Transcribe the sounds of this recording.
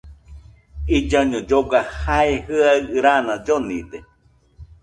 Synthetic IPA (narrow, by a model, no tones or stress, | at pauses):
id͡ʒaɲõd͡ʒoɡahaehɨaɨɾanãd͡ʒonḭd̪e